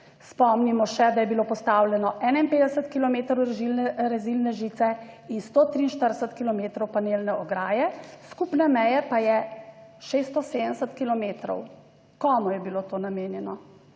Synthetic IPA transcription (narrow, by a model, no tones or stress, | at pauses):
spɔmnimɔʃɛd̪ajɛbilopɔst̪awljɛnɔʔɛːnainpeːd̪ɛsət̪kilɔmeːt̪ɾɔwɾʒilɛɾɛzilnɛʒit̪sɛ | inst̪oːt̪ɾiːnʃt̪əɾsət̪kilɔmeːt̪ɾɔwpaneːlnɛʔɔɡɾaːjɛskupnɛmɛjɛpajɛʃeːst̪ɔseːd̪ənsət̪kilɔmeːt̪ɾɔ̰w | kɔːmɔjɛbilot̪oːnameːnjɛnɔ